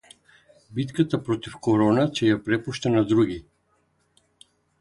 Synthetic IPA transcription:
bit̪kat̪apɾɔt̪ifkɔɾɔnacɛjapɾɛpuʃt̪anad̪ɾuɡi

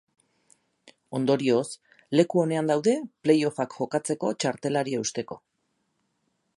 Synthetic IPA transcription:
o̞nd̪o̞ɾio̞s | le̞kuo̞ne̞and̪awðe̞ple̞jo̞fakxo̞kat͡se̞ko̞t͡ʃaɾt̪e̞laɾiaust̪e̞ko̞

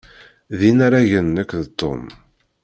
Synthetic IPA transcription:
ðinaɾaʝənːəkːðt̪ːo̰m

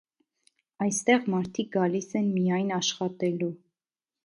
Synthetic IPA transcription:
ɑjst̪ɛʁmɑɾt̪ʰik̚ɡɑlisɛnmijɑjnɑʃχɑt̪ɛlu

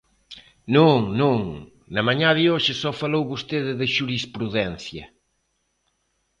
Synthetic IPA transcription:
nõŋnõŋ | nɐmaɲaðɪoʃɪsɔfalowβost̪eðɪðɪʃuɾispɾuðɛn̟θjɐ

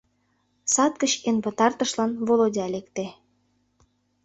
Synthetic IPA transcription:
sɑt̪̚kət͡ɕenpət̪ɑrt̪ə̆ʃlɑnβolodʲɑlekt̪e

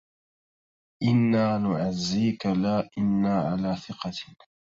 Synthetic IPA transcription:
ʔɪnːaːnʊʕazːiːkalaːʔɪnːaːʕa̰laːθɪqɑ

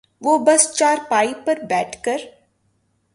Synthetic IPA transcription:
ʋoːbɐst͡ʃaːɾpaːipɐɾbɛːʈʰkɐɾ

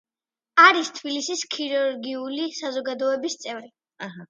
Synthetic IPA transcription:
aɾist̪ʰbilisiskʰiɾuɾɡiulisazɔɡad̪ɔɛbist̪sʼɛvɾi | aɦ

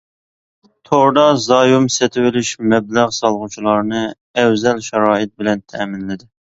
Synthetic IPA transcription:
t̪ʰoɾd̪ɑzɑːjumset̪ʰɪwɪlɪʃmɛblæʁsɑlˠʁut͡ʃʰilˠɑɾnɨ | ɛwzɛlʃɑɾɑːɪt̪̚bɪlɛnt̪ʰɛmɪnlɪd̪ɪ

